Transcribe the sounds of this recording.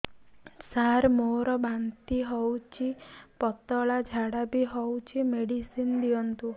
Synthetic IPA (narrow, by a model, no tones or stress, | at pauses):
saɾmoɾɔbant̪iɦɔwt͡ʃʰipɔt̪ɔɭad͡ʒʱaɽabiɦɔwt͡ʃʰimeɽisind̪ijɔnt̪u